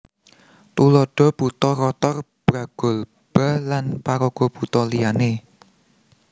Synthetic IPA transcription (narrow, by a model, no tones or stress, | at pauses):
t̪ulɔɖ̥ɔ̤b̥ut̪ɔrɔt̪ɔr | b̥ɾaɡ̥ɔ̤l | b̥a̤lanpaɾoɡ̥ɔb̥ut̪ɔlijane